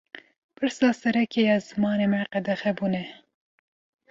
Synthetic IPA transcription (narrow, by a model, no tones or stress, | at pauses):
pʰɨɾsɑːsɛɾɛkejɑːzɨmɑːneːmɛqɛd̪ɛxɛbuːnɛ